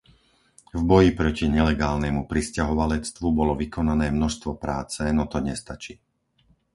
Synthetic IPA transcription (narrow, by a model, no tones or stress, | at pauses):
vbɔjipɾɔciɲɛlɛɡaːlnɛmupɾiscaɦɔʋalɛt͡st̪ʋubɔlɔʋikɔnanɛːmnɔʃst̪ʋɔpɾaːt͡sɛnɔt̪ɔɲɛst̪at͡ʃiː